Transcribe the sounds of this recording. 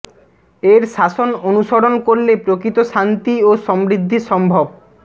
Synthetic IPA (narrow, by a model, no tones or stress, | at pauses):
eɾʃaʃononuʃoɽonkoɾlepɾokɾit̪oʃant̪ioʃɔmɾid̪ʱːiʃɔmbʱob